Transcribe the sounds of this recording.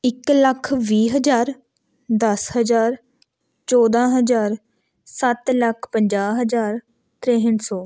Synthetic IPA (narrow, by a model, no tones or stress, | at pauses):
ɪkləkʰʋiːɦəd͡ʒaːɾ | d̪əsɦəd͡ʒaːɾ | t͡ʃɔːd̪ãːɦəzaːɾ | sət̪ləkʰpəɲd͡ʒaːɦəzaːɾ | t̪ɾeɦənsɔː